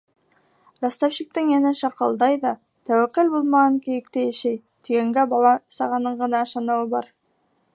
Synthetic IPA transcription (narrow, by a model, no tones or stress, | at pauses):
ɾɑst̪ɑfɕik̚t̪ɘŋjænɘʃɑqɤ̆lˠd̪ɑjðɑ | t̪æwæqɘlbulˠmɑʁɑŋkĭjɘ̆kt̪ɘjæ̆ʃæj | t̪iɡæŋɡæbɑlˠɑsɑʁɑnɤɴɢɤ̆nɑɤ̆ʃɑnɤ̆wɤbɑɾ